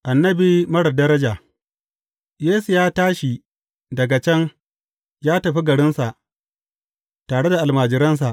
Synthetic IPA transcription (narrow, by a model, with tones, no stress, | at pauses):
ʔa˨nːɐ˦biː˨mɐ˦ɽɐ˨dɐ˦ɾɐ˦d͡ʒaː˨ | jeː˦su˨jaː˦taː˦ʃi˨ | dɐ˨ɡa˨t͡ʃɛ˦ŋ | jaː˦tɐ˨ɸi˦ɡɐ˨ɽɪ˦nsa˨ʔ | taː˨ɽe˦da˨ʔa˨lmaː˨d͡ʒɪ˨ɾɐ˦ns̬a˨ʔ